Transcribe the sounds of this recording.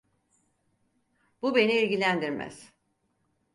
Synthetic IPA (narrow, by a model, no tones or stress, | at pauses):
bube̞niilʲɟilʲænd̪iɾmæ̰z̥